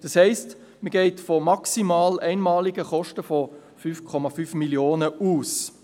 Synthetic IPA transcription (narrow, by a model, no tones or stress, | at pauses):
d̥ɑshɛɪst | məɡɛɪtfɔmɑksimɑːlæɪnmɑːliɡəχɔʃtəfɔ | fyːfkʰɔmɑfyːfmiljoːnəuːs